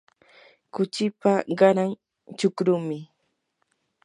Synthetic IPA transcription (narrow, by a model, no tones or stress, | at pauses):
kʊt͡ʃɪpaɢɑɾaŋ | t͡ʃʊkɾʊmɪ